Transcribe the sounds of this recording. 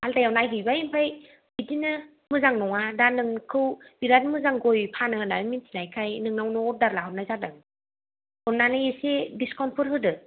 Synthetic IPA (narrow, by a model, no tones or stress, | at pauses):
altajawnajɦɯjbajimpʰaj | bidinɯ | mɯzaŋnɔŋadanɯŋkʰɯwbiɾat̚mɯzaŋɡojpʰanɯɯnaɾɯmintʰinajkʰajnɯŋnawnɔɔp̚daɾlaɦɯnazadɯŋ | ɔnnanɯjesediskɔnpʰɔɾɦɯdɯ